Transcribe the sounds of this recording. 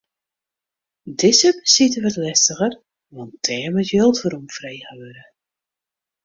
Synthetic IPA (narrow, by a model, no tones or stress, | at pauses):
dɪsəpsitəʋətlɛstəɣər | ʋɔntʰɛːmətjølˠtfəɾumfrejhəʋøɾə